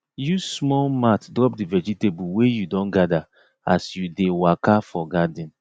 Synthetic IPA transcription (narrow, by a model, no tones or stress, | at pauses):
jusmɔlmatdɾɔpdivɛd͡ʒitebuwejudɔ̃nɡada | asjudewakafɔɡadĩn